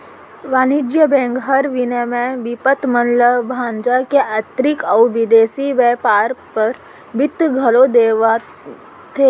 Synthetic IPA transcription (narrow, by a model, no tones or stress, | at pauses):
ʋaːnid͡ʒjəbẽːŋɡɦəɾʋinəmẽʋipət̪mənləbʱãːnd͡ʒakeʔat̪ɾikɐwʋid̪eːsiʋɛːpaːɾpəɾ | bɪt̪ːɡʱɐlod̪eːʋa | t̪ʰe